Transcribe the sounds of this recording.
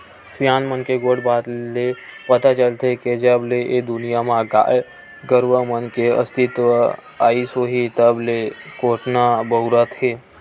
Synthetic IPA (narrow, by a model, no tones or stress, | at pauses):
sjaːnmənkeɡoːɽbaːt̪lepət̪at͡ʃəlt̪eked͡ʒəbleʔed̪ʊnijamãɡa̰ːe | ɡəɾʋəmənkeə̰st̪ɪt̪ʋə | a̰ːisoɦit̪əblekoːʈnabəɦuɾət̪ɦe